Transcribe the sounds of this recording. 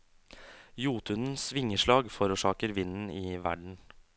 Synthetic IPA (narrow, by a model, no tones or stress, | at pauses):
juːt̪ʉnn̩sʋɪŋəʂɭɑːɡfɔɾuːʂɑːkəɾʋɪnn̩ɪʋæ̰ɖɳ̩